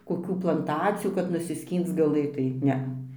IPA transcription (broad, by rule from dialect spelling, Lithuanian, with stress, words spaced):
koːˈkʲuː plˠɐnˈtɑːt͡sʲɪjuː kɐt nʊsʲɪˈsʲkʲiːnt͡s ɡɐˈlˠɘtɐɪ ˈnʲɛɐ